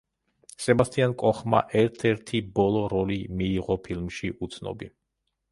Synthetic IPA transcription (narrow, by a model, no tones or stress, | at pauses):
sɛbast̪ʰʼiankʼɔχma̰ʔɛɾt̪ʰɛɾt̪ʰibɔlˠɔɾɔlimiːʁɔpʰilˠmʃiʔut̪sʰnɔ̰bi